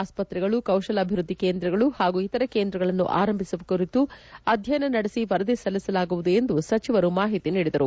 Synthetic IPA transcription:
aːspɐt̪ɾɛɡɐɭukɐwʃɐlɐbʱiʋɾud̪ːike̞ːnd̪ɾɐɡɐɭuhaːɡuit̪ɐɾɐke̞ːnd̪ɾɐɡɐɭɐnːṵʔa̰ːɾɐmbʱisuʋɐkuɾit̪uɐd̪ʱjɐnɐnɐɽesiʋɐɾɐd̪esɐlisɐlaːɡuʋud̪uend̪usɐt͡ʃiʋɐɾumaːɦit̪iniːɽid̪ɐɾu

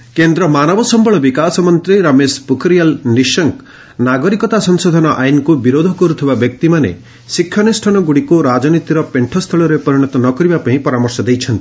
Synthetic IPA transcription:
kend̪ɾɔmanɔbɔsɔmbɔɭɔbikasɔmɔnt̪ɾiɾamespukɾijalniʃɔŋk | naɡɔɾikɔt̪asɔŋsod̪ʱɔnɔʔajnɔkubiɾod̪ʱɔkɔɾut̪ʰibabjɔk̚t̪imanḛ | sikʰːjɔnisʈʰɔnɔɡuɽikuɾad͡ʒɔnit̪iɾɔpeɳʈʰɔst̪ʰɔɭɔɾepɔɾiɽ̃ɔt̪ɔnɔkɔɾibapaĩpɔɾamɔɾsɔd̪ejt͡ʃʰɔnt̪i̥

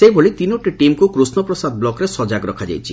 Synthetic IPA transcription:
sejboɭit̪inoʈiʈimkukɾusnɔpɾɔsad̪blɔkɔɾesɔd͡ʒaɡɾɔkʰad͡ʒa̰jt͡ʃʰḭ

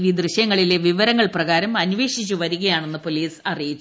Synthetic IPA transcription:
ʋid̪rɨɕjɐŋːɐɭile̞ʋiʋɐɾɐŋːɐɭprɐɣaːɾɐmɐnʋe̞ːʂit͡ɕːuʋɐɾuɣɐjaːɳe̞nːɨpo̞liːsɐrijit͡ɕː

